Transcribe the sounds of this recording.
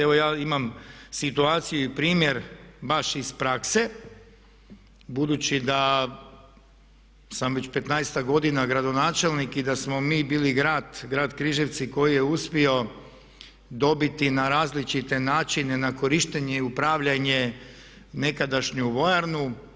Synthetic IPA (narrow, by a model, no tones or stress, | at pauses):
eʋo̞jaːimamsit̪uaːt̪sijuipɾiːmje̞ɾbaʃispɾakse̞ | bud̪ut͡ɕid̪a | samʋe̞t͡ɕpe̞t̪najst̪aɡo̞d̪inaɡɾad̪o̞naːt͡ʃe̞lnikid̪asmomiːbiːliɡɾaːd̪ɡɾaːd̪kɾiːʒeʋt̪siko̞jijeuspio̞ | d̪o̞bit̪inaɾaːzlit͡ʃit̪e̞naːt͡ʃine̞nako̞ɾiʃt̪eɲeiupɾaːʋʎaɲe̞ | ne̞kad̪aʃɲuʋo̞jaɾnu